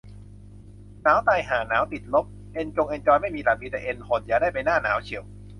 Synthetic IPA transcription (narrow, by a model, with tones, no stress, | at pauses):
naː˨˦˥wt̪aː˧jɦaː˩naː˩˦˥wt̪i˨˩t̪̚lo˦˥p̚ | ʔe˧nt͡ɕo˧ŋʔe˧nt͡ɕɔː˧jma˥˩jmiː˧la˨˧˩biː˧t̪ɛ˨˩ʔe˧nhʰo˨˧˦njaː˨˩daː˥˩pa˧jnaː˥˩naː˩˦wt͡ɕʰi˨˩˦w